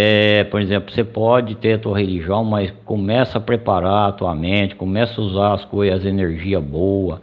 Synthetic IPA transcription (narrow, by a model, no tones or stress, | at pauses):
ɛpoɾezẽmplʊsepɔd͡ʒɪt̪eɾat̪uɐɦeliʒiɐ̃w̃mɐjskõmɛsɐɐpɾepaɾaat̪uɐmẽt͡ʃɪ̥kõmɛsɐuzaɐskojzɐzeneɾʒiɐbowɐ